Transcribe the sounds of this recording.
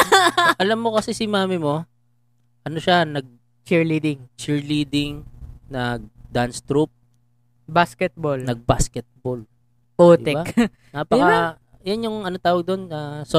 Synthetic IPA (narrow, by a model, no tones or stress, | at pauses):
ʔɐlɐmːo̞kɐsɛsɪmaːmɪmo̞ | ʔɐno̞ʃanɐɡ̚ | t͡ʃɪɹlid̪ɪŋt͡ʃɪɹliːd̪ɪŋnɐɡ̚d̪anst̪ɾup̚ | baskɛt̪̚bolnɐɡ̚baskɛt̪̚bol | pot̪ɪɛba | apɐka | janjʊŋɐnot̪aːwɐɡ̚d̪o̞nɐso